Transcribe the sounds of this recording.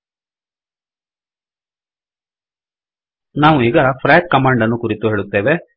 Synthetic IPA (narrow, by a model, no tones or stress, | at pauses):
naːʋuiːɡɐpʰɾaːk̚kɐmaːɳɖɐnːukuɾit̪uɦe̞ːɭut̪ːeːʋe